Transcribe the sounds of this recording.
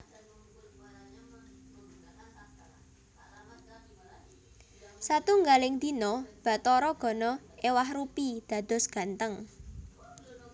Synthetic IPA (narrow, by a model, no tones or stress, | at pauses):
sat̪uŋɡalɪŋd̪̥i̤nɔb̥ä̤t̪ɔɾɔɡ̥ɔ̤nɔewahrupid̪̥ä̤d̪̥ɔ̤sɡ̥ä̤nt̪əŋ